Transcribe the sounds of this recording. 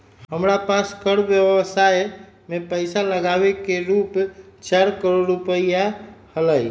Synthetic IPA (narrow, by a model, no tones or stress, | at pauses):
ɦəmɾapaskəɽbjəʋsaj | mepəjsaləɡabekeɾupt͡ʃaɾkəɾoɖɾupəijahələj